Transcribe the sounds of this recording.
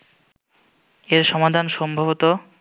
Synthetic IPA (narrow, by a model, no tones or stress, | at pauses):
eɾʃɔmad̪ʱanʃɔmbʱabot̪o